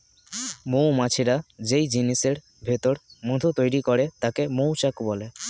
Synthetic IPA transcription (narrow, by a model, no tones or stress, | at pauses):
mõwmat͡ɕʰeɾad͡ʑejd͡ʑiniseɾ | bʱet̪oɾmod̪ʱot̪ojɾikɔɾet̪akemowt͡ɕakbɔle